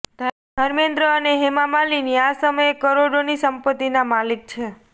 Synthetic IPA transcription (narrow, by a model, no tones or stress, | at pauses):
d̪ʱ | d̪ʱəɾmẽnd̪ɾəəneɦemamaliniasəməjekəɾoɽonisəmpət̪ːinamalik̚t͡ʃʰe